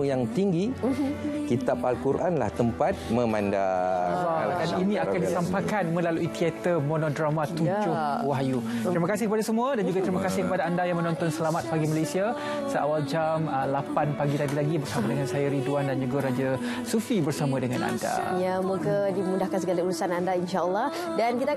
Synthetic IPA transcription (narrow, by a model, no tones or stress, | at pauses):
jaŋt̪iŋɡi | kit̪ap̚a̰lkuɾʔanla̰ht̪əmpat̪̚mə̃mãnda̰ɔdaninĩakandissampakanmə̃laluʔit̪iɛt̪əmonodɾamãt̪ud͡ʒʊwaɦaju | t̪ɾimaəkasɪhkəpadasəmũədand͡ʒuɡat̪ɾimakasɪhkəpadaandajaŋmənɔ̃nt̪ɔnsəlamat̪̚paɡimalesia | səʔa̰wald͡ʒaməlapanpaɡilaɡilaɡibərsamadəŋansajaɾiduandand͡ʒuɡaɾad͡ʒa | sufibərsamãdəŋana̰nda̰jamokədimundahkans̬əɡalaulusanandainʃaəlːɔh | dankit̪a